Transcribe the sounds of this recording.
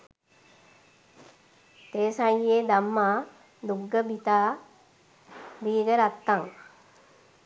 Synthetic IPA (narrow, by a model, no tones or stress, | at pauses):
t̪eːsajjeːd̪amːaː | d̪uɡːəbit̪aː | biːɡəɾat̪ːaŋ